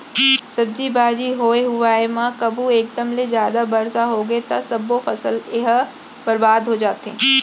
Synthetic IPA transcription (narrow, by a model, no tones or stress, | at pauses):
sɐb̚d͡ʒibaːd͡ʒiɦoːeɦʊaːemãkɐbʱueːk̚d̪əmlezjaːd̪abɐɾsaɦoːɡet̪asɐbːofɐsəlɪɦ | bɐɾbaːd̪ʱɦod͡ʒaːt̪ẽː